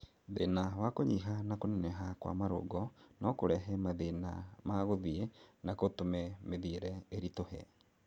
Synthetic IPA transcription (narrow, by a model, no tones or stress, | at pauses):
ðenawakoɲiɦanakonɛnɛɦakwa̰maɾo̰ɡɔnɔkoɾɛɦɛmaðena̰maɣoðienakotomɛmeðiɾɛeɾitohɛ̰